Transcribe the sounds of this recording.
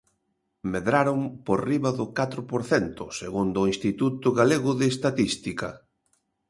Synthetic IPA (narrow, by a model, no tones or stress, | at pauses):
meðɾaɾʊmporiβɐðʊkat̪ɾʊpoɾθɛnt̪ʊseɣund̪ʊinst̪it̪ut̪ʊɣaleɣʊðɪːst̪at̪ist̪ikɐ̰